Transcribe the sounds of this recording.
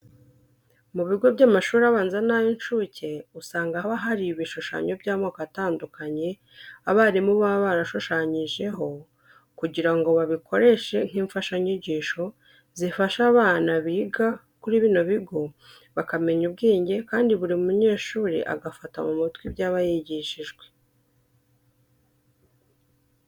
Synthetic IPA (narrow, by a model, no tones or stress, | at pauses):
muβiɡo̞bɟaːmaʃuːɾaβaːnzanajonʃucʰe̞usaːŋɡaβaɦaɾiβiʃoʃa̰ɲo̞bɟaːmokataːndukaɲe̞ | aβaːɾimuβaβaɾaʃoʃaɲiʒe̞ɦo̞ | kuɟiɾaŋɡo̞βaβikʰo̞ɾe̞ʃe̞ŋ̥iːɱfaʃaɲiɟiːʃo̞ | zifaʃaβaːnaβiːɡa | kuɾiβiːno̞βiɡo̞ | βakame̞ɲub̚ɡiːɲɟe̞kaːndiβuɾimumuɲe̞ːʃuːɾḭʔa̰ɡafata̰mumitwibjaːβajiɟiʃiʒɡwe